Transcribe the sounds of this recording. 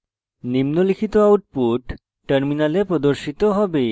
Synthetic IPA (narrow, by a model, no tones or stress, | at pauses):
nimnolikʰit̪oawʈ̚puʈː | eɾminalepɾod̪oɾʃit̪oɦɔbe